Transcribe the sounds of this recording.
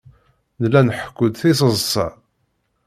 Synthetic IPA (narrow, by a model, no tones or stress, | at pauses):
nlːænħə̥kʷːʊd̪θis̬əzˤsˤɑ̰